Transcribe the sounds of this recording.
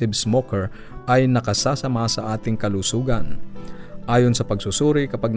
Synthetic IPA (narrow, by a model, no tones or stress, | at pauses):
ɪbsmokɛɹ | ʔɐjnɐkɐsaːsɐmasɐʔaːt̪ɪŋkɐlusuːɡɐn | ʔaːjonsɐpɐɡsusuːɾɪkɐpaɡ̚n